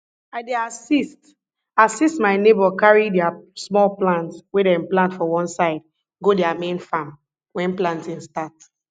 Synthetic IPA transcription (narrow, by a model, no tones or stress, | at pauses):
aɪdeasist | asistmaɪnebɔkaɹidɛasmɔlplãntswedɛĩnplãntfɔwɔ̃nsaɪd | ɡodɛamẽnfam | wɛ̃nplãntĩŋstat